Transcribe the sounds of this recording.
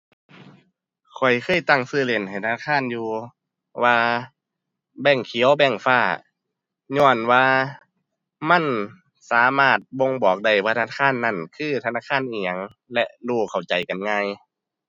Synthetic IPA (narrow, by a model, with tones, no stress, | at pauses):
kʰɔ˨˩jkʰɤː˧˥˨jt̪a˧˩ŋsɯː˧˩˨le˧˩˨nha˨˩jt̪ʰa˧naː˧˩˧aː˧˥˨njuː˧ | waː˧ | bɛː˧˩ŋkʰi˨˦wbɛ˧˩˨ŋfaː˧˩ | ɲɔː˧˩nwaː˧ | ma˧˥˨n | saː˨˦maː˧˥˩t̪̚bo˧ŋbɔː˨˩k̚da˧˩jwaː˧t̪ʰa˧na˧kʰaː˧˥˨nːa˧˩˨nkʰɯː˧˩t̪ʰa˧naː˧˩kʰaː˧˥˨nʔiː˧˩ɲa˧˩ŋ | lɛ˧ʔduː˧˩kʰa˨˩wt͡ɕa˨˩jka˨nŋaː˧˨j